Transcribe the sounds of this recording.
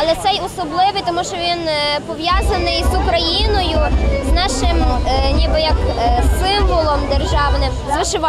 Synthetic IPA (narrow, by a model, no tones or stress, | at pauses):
ɐlˠɛt̪sɛjɔsɔblˠɪʋɪjt̪ɔmuʃt͡ʃɔʋʲinpɔʋjɑzɐnɪjzukɾɐjinɔjʊznɑʃɪmnʲibɪjɐksɪmʋɔlˠɔmd̪erʒɑwnɪmzʋɪʃɪʋɑ